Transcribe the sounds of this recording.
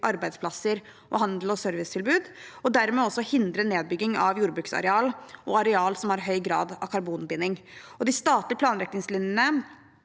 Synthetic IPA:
ʔɑɾbæɪd̪spʰlɑsːəɾ | ʔɔ̰hɑnd̪l̩ɔsøɾʋɪst̪ʰɪlbʉːd̪ɔd̪æɾmɛːɔsːɔhɪnd̪ɾəneːd̪̚bʏɡːɪŋɑʋjuːɾəbɾʉːksɑ̰ɾɛɑːlʔɔɑɾɛɑːlsɔmhɑɾɦœʏɡɾɑ̰ːd̪ɑkʰɑɾbuːnbɪnɪŋɔd̪ɪst̪ɑːt̪lɪəpʰlɑːnɾɛk̚nɪŋslɪnjənə

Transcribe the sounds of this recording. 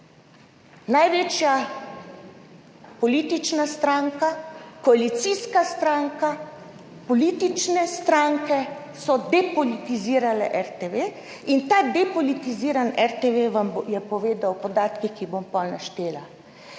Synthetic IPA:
najʋet͡ʃja | pɔliːt̪it͡ʃnast̪ɾaːŋkakɔalit̪siskast̪ɾaŋka | pɔliːt̪it͡ʃnɛst̪ɾaŋkɛ | sɔd̪ɛpɔlit̪iziːɾalɛ̰ʔɛɾt̪eʋe | int̪aːd̪ɛpɔlit̪iziːɾanɛɾt̪eʋeʋamjɛpɔʋeːd̪awpɔd̪aːt̪kikibompɔlnaʃt̪eːla

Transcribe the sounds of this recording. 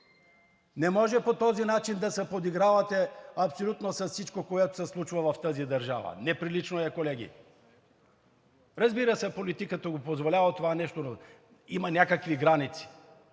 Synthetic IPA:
nɛmɔʒɛpot̪ɔzinat͡ʃind̪ɐsɛpod̪iɡɾavɐt̪ɛɐpsolʲut̪nosɐssit͡ʃkokoɛt̪o̥sɛslˠut͡ʃvɐvɐft̪əzid̪ɐɾʒa̰vɐ̰nɛpɾilit͡ʃnoɛkolɛɡʲḭ | ɾɐzbiɾəsɛpolit̪ikət̪əɡopozvolʲavt̪ovanɛʃt̪ono | imɐnʲakəkviɡɾanit̪si̥

